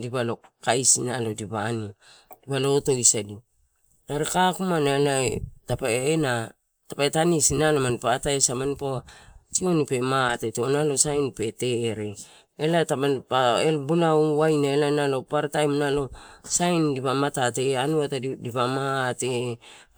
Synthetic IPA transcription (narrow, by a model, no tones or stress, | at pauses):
dipalo̞kajsinalo̞dipani | dipalo̞to̞isadi | naɾekakumanaelaetapaena | tapaetanisinalomanpataesamanipoatio̞nipe̞matetonalo̞sajnpe̞te̞ɾe̞ | elatamanpaelbulauwajnaelanalo̞paɾtajmnalo̞sajndipamatate̞anuatadipamate